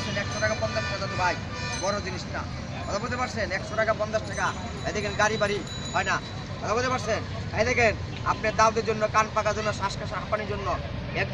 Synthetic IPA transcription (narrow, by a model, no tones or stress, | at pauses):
sʰenɛkʃoɾaɡapɔnd̪aʃʈʰaad̪at̪obʱaj | bɔɾod͡ʑiniʃʈa | ɦɔd̪abod̪epaɾsenɛkʃoɾaɡapɔnd̪aʃʈʰaka | ɛd̪ɛkʰenɡaɾibaɾi | ɦɔena | bɔd̪abod̪epaɾsen | ɛjd̪ɛkʰen | apneɾd̪awd̪eɾd͡ʑonːokanpakaɾd͡ʑonːaʃaʃkaʃaapaniɾd͡ʑonːo | e